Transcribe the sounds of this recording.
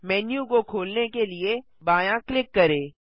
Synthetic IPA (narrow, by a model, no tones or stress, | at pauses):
mɛːnjukokʰoːlnekelie | baːjãklɪkːɐɾeː